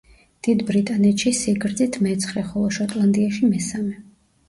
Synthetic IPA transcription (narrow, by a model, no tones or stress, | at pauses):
d̪̥id̪bɾit̪ʼanɛt̪ʃisiɡɾd̪zit̪ʰmɛt̪sʰχɾɛχɔlˠɔʃɔt̪ʼlˠand̪ʼiaʃimɛsamɛ